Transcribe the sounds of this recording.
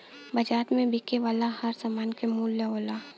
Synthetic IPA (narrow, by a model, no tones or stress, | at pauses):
bɐd͡ʒaːt̪mẽbʱikeʋaːlahɐɾzamaːnkemuːlːeɦoːlaː